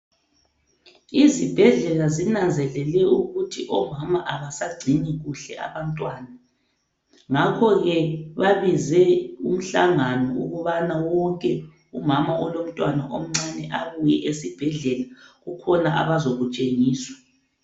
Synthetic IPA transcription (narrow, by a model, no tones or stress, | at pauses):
izib̥ʱɛɮɛlazinand͡zʱɛlɛlɛuɣutʰiʔɔmamaʔaβasaɡ͡ǀʱiniɣuɬɛ̰ʔa̰βantʼwaːna | ŋakʰɔɣɛβaβizɛum̩ɬaŋanɔṵɣuβanawɔŋkʼɛ | umamaʔɔlom̩tʼwanaʔom̩ŋ͡ǀanɛʔaβujɛʔesib̥ʱɛɮɛlaɣukʰɔnaʔa̰βazoɣut͡ʃʼeŋiːswḁ